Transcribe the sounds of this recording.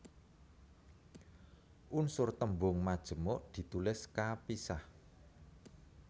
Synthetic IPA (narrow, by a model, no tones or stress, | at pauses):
ʔunsʊrt̪əmbʊŋmad̥ʒ̥ə̤moʔd̪̥i̤t̪ulɪskapisah